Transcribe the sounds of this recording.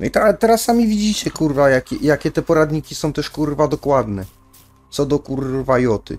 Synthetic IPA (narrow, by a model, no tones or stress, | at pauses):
nɔ̰it̪at̪ɛɾasːamʲivʲid͡ʑit͡ɕɛkuɾvajakʲɛjakʲɛt̪ɛpɔɾad̪ɲikʲisɔ̃w̃t̪ɛʂkuɾvad̪ɔkwad̪nɛ | t̪sɔd̪ɔkuɾvajɔt̪ɘ̰